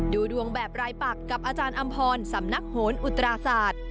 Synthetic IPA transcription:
duː˧du˧əŋbɛː˨˩p̚ɾaː˧jpa˨˩kːa˨˩p̚ʔaː˧t͡ɕaː˧nʔa˧mpʰɔː˧nsa˩˦mna˦˥k̚hoː˩˦nʔu˨˩t̪ɾaː˧saː˨˩t̪̚

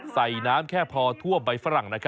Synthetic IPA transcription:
sa˨˩jnaː˦˥mkʰɛː˥˩pʰɔː˧t̪ʰu˥˩əba˧jfa˦˥ɾa˨˩˦ŋna˦˥kʰ

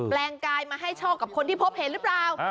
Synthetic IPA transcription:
plɛː˧ŋkaː˧jmaː˧ɦa˥˩jt͡ɕʰɔː˥˩ka˨˩p̚kʰo˧nt̪i˥˩pʰo˦˥p̚he˨˩˦nɾɯ˦˥plaː˨˩w

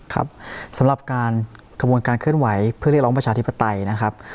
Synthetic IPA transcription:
kʰa̰˦˥p̚sa˩˦mɾa˨˩p̚kaː˧n | kʰa˧u˧ənkaː˧nkʰɯ˥˩ənwa˩˦jpʰɾi˥˩k̚ɔː˦˥pɾa˧t͡ɕaː˧t̪ʰi˦˥pːa˧t̪a˧jna˦˥kʰa˦˥p̚

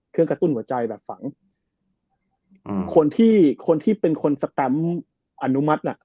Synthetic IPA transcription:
kʰɯ˥˩əŋkɾa˧t̪u˥˩nhu˩˦ɐt͡ɕa˧jbɛː˨˩p̚fa˩˦ŋ | kʰo˧nt̪ʰiː˥˩kʰo˧nt̪ʰiː˥˩pe˧nkʰo˧nsa˧t̪ɛ˧m | ʔa˧nu˦˥ma˦˥t̪̚ʔa˨˩ʔ

